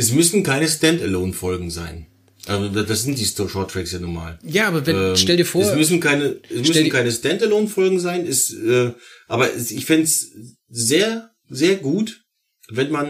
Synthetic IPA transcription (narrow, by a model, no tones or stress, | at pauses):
ʔɛs̬mʏsn̩kʰaɪnəstɛntɛloːnfɔlɡŋ̩za̰ɪn | ʔalzodad̥asz̥ɪnt̚d̥iːstɔʃɔtʁ̥ɛksjaːnuːma̰ːljaːaːbɐvɛɛːʃɛldiɐfoːɛsmʏs̬n̩kʰaɪnəʔɛsmʏsn̩kʰaɪnəstɛntɛloːnfɔlɡŋ̩zaɪnɛsɛːʔaːbɐʔɛsɪçfɪnts | zeːɐ | zeːɐɡuːt | vɛnman